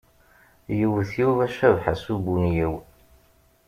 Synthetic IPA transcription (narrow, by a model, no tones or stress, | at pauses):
jəwəθjuvæʃævħasubunjiw